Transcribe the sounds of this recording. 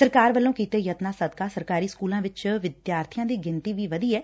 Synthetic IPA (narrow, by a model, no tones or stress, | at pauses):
səɾkaːɾʋəlːõːkiːt̪eːjət̪naːsəd̪kaːsəɾkaːɾiːskuːlãːʋɪt͡ʃʋɪd̪jaːɾt̪ʰɪjãːd̪iːɡɪnt̪iːʋiːʋəd̪iːɛː